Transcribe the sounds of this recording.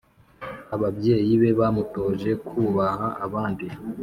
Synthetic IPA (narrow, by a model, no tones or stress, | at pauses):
aβabɟe̞ːjiβe̞βamuto̞ːʒe̞kʰuːβahaːβaːndi